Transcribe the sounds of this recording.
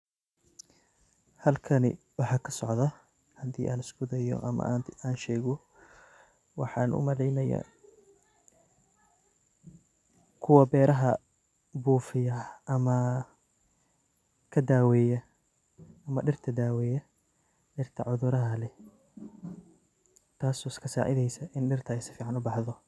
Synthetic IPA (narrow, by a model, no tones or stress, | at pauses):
hɐlkʰɐnɪ̰ | wɑħɑːkʰɐsɔʕðɐ | hɐd̪ḭːʔaːnɪsɡʊðɐjɔ̰ʔɐ̰mɐ̰aːnʃɛːɣɔ | wɑħɑːnʔʊ̰mɐlɛjnɐja̰ | kʰʊwɐbɛːɾɐɦɐ | buːfɪjɐʔɐmɐ | kʰɐd̪aːwɛːjɐ | ɐmɐ̰ɖɪrt̪ʰɐd̪aːwɛːjɐ | ɖɪrt̪ʰɐ̰ʕʊðʊɾɐɦɐlɛ | t̪ʰaːsɔːskʰɐsa̰ːʕɪðɛjsɐʔɪnɖɪrt̪ʰɐɛjsɪ̥fiːʕɑnʊbɑħðɔ